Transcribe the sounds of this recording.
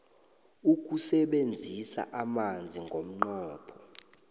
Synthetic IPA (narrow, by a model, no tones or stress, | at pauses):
uk̬ʼusɛɓend͡zʱisa̰ʔamand͡zʱiŋɡʱom̩ŋ͡ǃɔːpʰɔ